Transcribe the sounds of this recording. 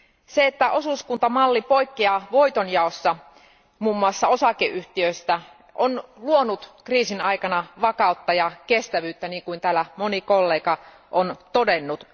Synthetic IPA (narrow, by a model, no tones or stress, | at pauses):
seet̪ːæʔo̞suskunt̪ɑmɑlːipo̞jkːiɑʋo̞jt̪onjɑosːɑ | muːmːuɑsːɑo̞sɑkeʔyht̪iøst̪æ | ʔonluonut̪kriːsinɑjkɑnɑʋɑkɑut̪ːɑjɑkest̪æʋyːt̪ːæniːŋkuint̪æːlːæmo̞niko̞lːeːkɑ | ʔont̪ode̞nːut̪